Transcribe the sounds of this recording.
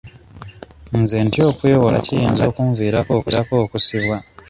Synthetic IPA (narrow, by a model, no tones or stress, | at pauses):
muzentio̞ːkujowola̰cijiːnzo̞ːkuːɱviːɾako̞ːkuɾako̞ːkusiβwa